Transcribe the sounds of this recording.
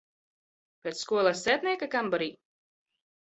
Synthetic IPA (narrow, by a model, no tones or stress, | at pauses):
pʲet̪sskuɔlˠasɛːt̪nʲiɛkakambɔɾiː